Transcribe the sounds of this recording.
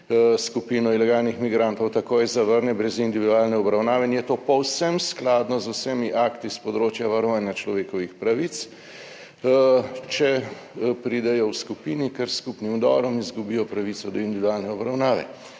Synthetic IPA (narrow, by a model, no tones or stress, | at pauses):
skupiːnɔilɛɡaːlnixmiɡɾant̪ɔwt̪akoːjzaʋəɾnɛbɾɛzind̪iʋid̪uaːlnɛɔbɾawnaːʋɛinjɛt̪oːpɔwsɛmsklaːd̪nɔzusɛmiʔakt̪ispɔd̪ɾoːt͡ʃjaʋaɾɔʋaːnjat͡ʃlɔʋeːkɔʋixpɾaʋit̪s | t͡ʃɛ | pɾiːd̪ɛjɔwskupiːnikɛɾskupnimd̪ɔɾɔmizɡubijɔpɾaʋit̪sɔd̪ɔind̪iʋid̪ualnɛɔbɾawnaːʋɛ̰